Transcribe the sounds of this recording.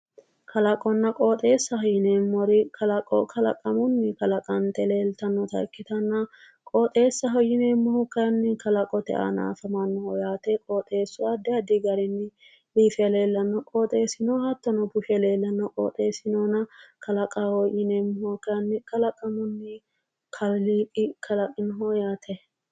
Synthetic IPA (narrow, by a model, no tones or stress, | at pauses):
kʰɐlɐkʼɔnːɐkʼoːt̪ʼe̞ːsːɐhɔjɪnemːɔɾɪkʰɐlɐkʼɔ̰kʰɐlɐ̰kʼɐmʊnːɪkɐlɐkʼɐnt̪ɛleːlt̪ɐnːɔt̪ɐ̰kːɪt̪ɐnːɐ | kʼoːt̪ʼeːsːɐɦɔjɪneːmːɔhɔkːɐjɐnːɪkɐlɐkʼɔt̪ɛ̰ʔa̰na̰ːfɐmɐnːɔhɔjaːt̪ɛkʼoːt̪ʼe̞ːsːʊɐd̪ɛɐd̪ɪɡɐɾɪnːɪ | liːfɛle̞ːlːɐnːɔkʼoːt̪ʼeːsɪnɔhɐt̪ːɔnɔbʊʃɛle̞ːlːɐnːɔkʼo̰ːt̪ʼeːsɪnɔnɐkʰɐlɐkʼahɔjʔɪneːmːʊhɔkːɐjɐnːɪkɐlɐkʼːɐmʊnːɪ | kʰɐlliːkʼɪkʰɐlɐkʼɪnɦɔjaːt̪ʰɛ